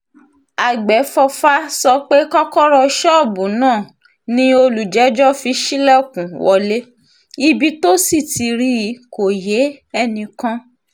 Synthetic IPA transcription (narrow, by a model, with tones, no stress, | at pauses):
a˨ɡ͡bɛ˨˦fɔ˧fa˦sɔ˧k͡pe˦kɔ˦kɔ˦ɾɔ˧ʃɔ˦˨bũ˨˦nãː˦˨ | nĩ˧˦o˧lu˨d͡ʒɛ˨˦d͡ʒɔ˦fi˧ʃi˦lɛ˦˨kũ˨wɔ˧le˦ | i˧bi˧to˦si˦˨ti˨˧ɾi˦˨˦ko˨je˨˦ɛ˧nĩ˧kã˦